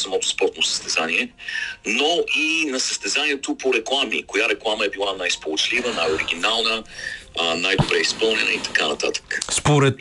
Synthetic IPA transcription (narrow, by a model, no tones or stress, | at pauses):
sɐmɔt̪o̥spɔɾt̪nosə̥st̪ɛzaniɛnoʔinɐsəst̪ɛzaniɛt̪opoɾɛklˠamḭkojaɾɛklˠaməɛbilˠanajspolˠot͡ʃlivənajoɾiɡ̟inalˠnə | najd̪obɾɛispɤlˠnɛnəit̪ɐ̥kanɐt̪a̰t̪ə̥kə̥spoɾɛt̪